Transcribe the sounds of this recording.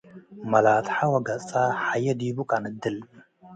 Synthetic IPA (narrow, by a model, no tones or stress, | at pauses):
mɐlaːt̪ħawɐɡɐt͡sʼaħajɐd̪ibukʼanɨd̪ɨl